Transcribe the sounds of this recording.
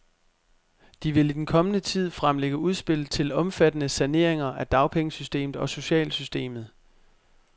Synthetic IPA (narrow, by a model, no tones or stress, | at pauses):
d̥iʋe̝lid̥enkʰɒ̽mənət͡sʰið̞̰ˠfʁamleɡ̥əuð̞ˠsb̥e̝l̰t͡sʰe̝lɒ̽mfæd̥ənəsæne̝ɐ̰e̝ŋɐʔæd̥ɑ̈ʊpʰeŋəsysd̥e̝̰ːmð̩ˠɒ̽so̝ɕɛ̰ːlsysd̥e̝̰ːmð̩ˠ